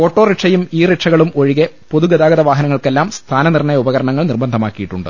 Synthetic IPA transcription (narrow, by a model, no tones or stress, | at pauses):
o̞ːʈːoːriʈʂɐjumiːriʈʂɐɣɐɭumoɻiɣe | po̞ðuɡɐðaːɡɐðɐʋaːɦɐnɐŋːɐɭkelːaːmst̪ʰaːnɐnirɳɐjɐubɐɣɐɾɐɳɐŋːɐɭnirbɐnd̪ʱɐmaːkːijiʈːuɳɖɨ̰